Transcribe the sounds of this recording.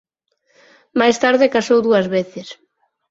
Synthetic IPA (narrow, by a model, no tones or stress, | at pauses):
majst̪aɾðɪkasowðuɐzβeθɪs